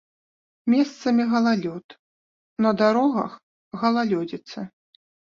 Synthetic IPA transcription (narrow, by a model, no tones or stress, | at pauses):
mʲɛst̪sɐmʲiɣɐlˠalʲɔt̪ | nɐd̪aɾɔɣɐ̰x | ɣɐlˠalʲɔd͡zʲit̪sɐ